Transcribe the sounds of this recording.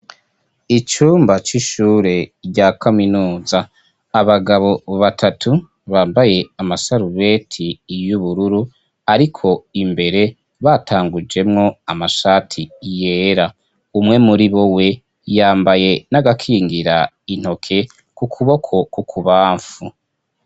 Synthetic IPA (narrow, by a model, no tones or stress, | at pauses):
it͡ʃuːmbat͡ʃiʃuːɾe̞ɾɟakaminuːzaː | βaɡaβo̞βatʰatʰu | βaːmbaje̞amasaɾuβe̞tʰijuβuɾuɾu | aɾikʰo̞imbe̞ɾe̞ | βatʰaːŋɡud͡ʒe̞mŋo̞amaʃaːtʰije̞ːɾa | umŋe̞muɾiβowe̞ | jaːmbaje̞naɡakʰiːŋɡiɾa | in̥ho̞kʰe̞ | kukʰuβo̞kʰo̞kukʰuβaːɱfu